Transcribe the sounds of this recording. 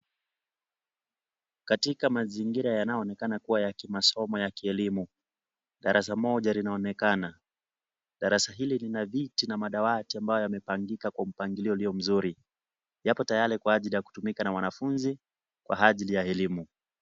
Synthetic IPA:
katikamaziŋɡiɾajanaɔnɛkanakuwajakimasɔmɔjakiɛlimu | ɗaɾʔas̬amɔʄalinaɔnɛkana | ɗaɾasaɦililinavitinamaɗawatiambajɔjamɛpaŋɡikakwam̩paŋɡiliɔuliɔm̩zuɾi | japɔtajaɾikwaaʄilijaku̥tumikanawanafunzi | kwa̰aʄilijaɛlimu

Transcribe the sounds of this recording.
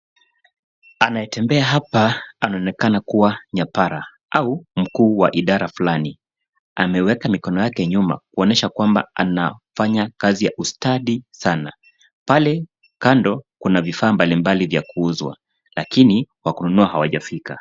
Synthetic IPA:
anajɛtɛmbɛaɦapaanaɔnɛkanakuwaɲapaɾa | ʔaum̩kuːwa̰ʔiɗaɾafulani | a̰mɛwɛkamikɔnɔjakɛɲuma̰kuɔnɛʃakwamba̰ʔanafaɲakazija̰ʔustaɗisana | palɛ | kandɔkunavifaːmbalimbalivjakuuzwa̰ | lakiniwakununuahawaʄafika̰

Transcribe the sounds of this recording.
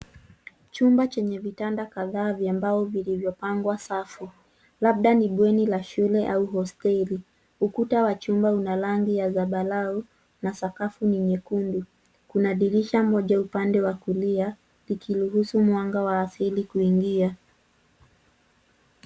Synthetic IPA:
t͡ʃumbat͡ʃɛɲɛvitandakaðaːvjambaɔvilivjɔpaŋɡwasafu | laɓ̚ɗaniɓwɛnilaʃulɛʔauɦɔstɛli | ukutawat͡ʃumbaunalaŋɡijazaɓalau | nasakafuniɲɛkundu | kunaɗiɾiʃamɔʄaupandɛwakulia | likʰiluɦusumwaŋɡawaːsilikuiŋɡia

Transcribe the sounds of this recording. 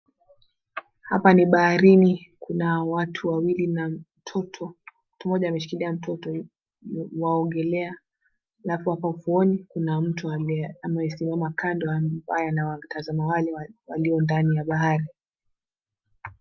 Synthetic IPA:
hapaniɓahaɾinikunaɔwatʰuwawilinam̩tʰɔtʰɔ | tumɔʄaːmɛʃu̥kiliam̩tʰɔtɔ | waɔŋɡɛlɛa | lafuhapauvuɔnikunam̩tuaamaɛsimamakandɔawajanawatazamawalɛwaliɔndanijaɓaɦaɾi

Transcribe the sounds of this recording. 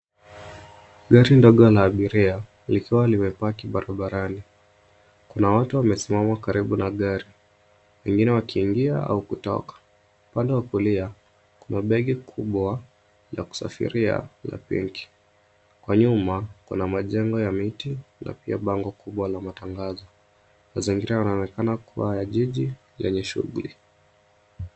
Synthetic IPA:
ɡaɾindɔɠɔlaːɓiɾia | likiwaliwɛpakiɓaɾaɓaɾani | kunawatuwamɛsimamakaɾiɓunaɠaɾi | wɛŋɡinɛwakʰiːŋɡiaa̰ukutɔ̰kḁ | upandɛwakulia | kunaɓɛɠɛkʰuɓwa | jaku̥sa̰fḭɾia̰la̰pḭŋki̥ | kwaɲumakṵnamaʄɛŋɡɔjamitina̰pia̰ɓaŋɡɔkuɓwalamataŋɡazɔ | maziŋɡiɾajanaɔnɛkanakuwajaʄiʄi | lɛ̰ɲɛʃṵɣuli

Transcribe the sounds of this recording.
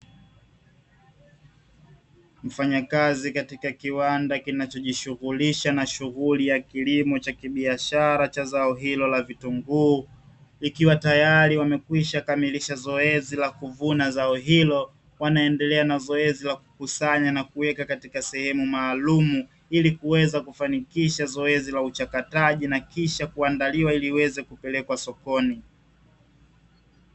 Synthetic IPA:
m̩faɲakazikatikakiwandakinat͡ʃɔʄiʃuɣuliʃanaʃuɣulijakilimɔt͡ʃakiɓiaʃaɾat͡ʃazaɔɦilɔlavitɔŋɡuː | ikiwatajaɾiwamɛkwiʃakamiliʃazɔɛzilakuvunazaɔɦilɔ | wanaɛndɛlɛanazɔɛzilaku̥kusaɲanakuwɛkakatikasɛhɛmumaːlumu | ilikuwɛzakufanikiʃazɔɛzilaut͡ʃakataʄinakiʃakuandaliwailiwɛzɛkupɛlɛkwasɔkɔni

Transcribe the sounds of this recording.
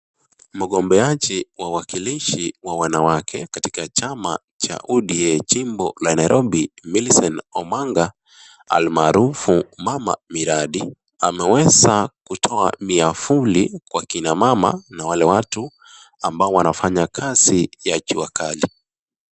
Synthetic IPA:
m̩ɠɔmbɛat͡ʃiwawakiliʃiwawanawakʰɛkatikat͡ʃama̰ | t͡ʃa̰ʔuɗiɛt͡ʃimbɔlanaiɾʔɔɓimilsɔnɔmaŋɡa | a̰lmaːɾufumama̰miɾaɗi | amɛwɛzakutʰɔamiafulikwakinamama̰nawalɛwatu | ambaɔwanafaɲakʰazijakiwakali

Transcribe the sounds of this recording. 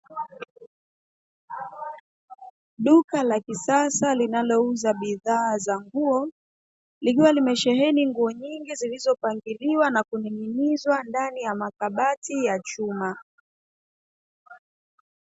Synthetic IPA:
ɗukalakisasalinalɔuzaɓiðaːzaŋɡuɔ | lik̬iwalimɛʃɛɦɛniŋɡuɔɲiŋɡizilizɔpaŋɡiliwanakunininizwandanijamakaɓatijat͡ʃuma

